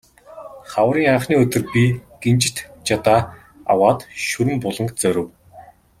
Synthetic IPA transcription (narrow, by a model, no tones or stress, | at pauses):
χawəɾiːŋaːχniːɵt̪ɵ̆rpʲiɡ̥ent͡ɕɪ̆t̪t͡ɕat̪aː | a̰waːt̪ʃɵɾɘ̆mpʊɮə̆ŋkt͡sœɾʲɘ̆w